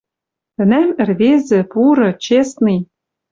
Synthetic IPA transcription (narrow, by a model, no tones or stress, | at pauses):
t̪ɘ̆næmɘ̆rβezɘ̆puɾɤ̆t͡ɕesnij